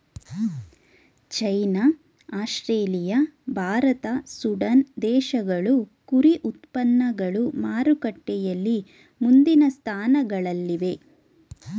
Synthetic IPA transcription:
t͡ʃɐjna | aːʃɾeːlijɐbʱaːɾɐt̪ɐsuɖɐnd̪ɛːʃɐɡɐɭukuɾiʔut̪pɐnːɐɡɐɭumaːɾukɐʈːɛjɐlːi | mund̪inɐst̪ʰaːnɐɡɐɭɐlːiʋe̞

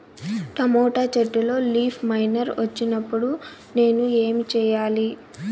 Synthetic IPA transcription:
ʈɐmɔːʈat͡ʃɐʈːulo̞ːliːpʰmɐjnɐɾʋʔɐt͡ʃːinɐpːuɽu | ne̞ːnue̞ːmit͡ʃɛːjaːli

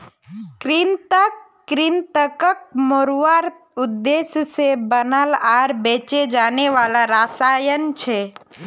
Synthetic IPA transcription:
kɾint̪əkː | ɾint̪əkək̚moɾʋaɾt̪ʊd̪ːesjəsebənəlaɾbet͡ʃed͡ʒaːneʋalaɾasajənt͡ʃʰe

